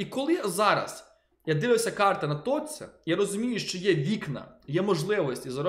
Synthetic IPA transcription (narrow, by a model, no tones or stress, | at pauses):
ikɔlˠɪzɑɾɐ̰s | jad̪ɪʋɪwsʲɐkɑrt̪ɪnɐt̪ɔt͡sʲɛ̰jaɾɔzʊmʲijʊʃt͡ʃɔjɛʋʲiknɐ̰jɛmɔʒlˠɪʋɔsʲtʲizɐɾɔ